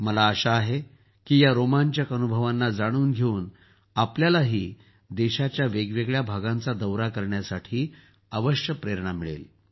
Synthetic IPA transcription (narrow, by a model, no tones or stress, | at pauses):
məlaːɕaːɦe | kiːjaɾomaɲt͡ɕjakənubʱəʋanːad͡zaɽ̃uːnɡʱeuːn | apljalaɦiː | d̪eɕat͡ɕjaʋeɡʋeɡɭjabʱaɡant͡sad̪əwɾakəɾɳjasaʈʰiː | əʋəɕjəpɾeɾɳamiɭḛl